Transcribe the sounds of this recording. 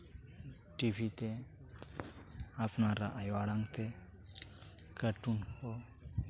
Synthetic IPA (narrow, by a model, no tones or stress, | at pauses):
ʈibit̪e | apnaɾaʔajʋaɽãŋɡt̪ʰe | kəʈunko